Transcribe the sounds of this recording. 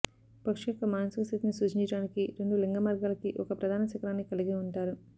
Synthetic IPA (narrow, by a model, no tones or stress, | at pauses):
pɐkʂɐkɐmaːnsukɐst̪ʰit̪inisuːt͡ʃiɲt͡ʃɐɽaːnikiɾe̞ɳɖuleŋɡɐmaːɾɡaːlɐkiʔɔkɐpɾɐd̪ʱaːnɐt͡ʃɐkɐɾaːnːikɐliɡiuɳʈaːɾu